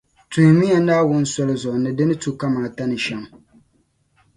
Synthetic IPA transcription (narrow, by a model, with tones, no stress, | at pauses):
tu˨hmi˦ja˨naː˦wʊ˦n̩˦sɔ˦lɪ˦zɔ˨nɨ˨dɪ˦nɨ˦tu˨ka˦maː˨ta˦nɨ˨ʃɛ˦m